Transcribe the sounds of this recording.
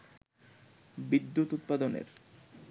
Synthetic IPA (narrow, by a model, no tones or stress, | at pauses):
bid̪ːut̪ut̪̚pad̪onḛɾ